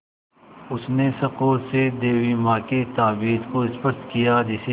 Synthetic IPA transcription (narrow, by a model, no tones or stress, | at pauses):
ʊsnesɐqoːɾsed̪eːwimãːket̪aːbiːd̪koɪspəst̪kijad͡ʒɪse